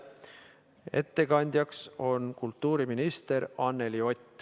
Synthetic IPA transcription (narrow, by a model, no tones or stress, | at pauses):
e̞̰t̪ːe̞kɑnʲd̪̥jɑkso̞nkult̪ːuːɾiminist̪e̞ɾɑnːelio̞t̪ʲːˑ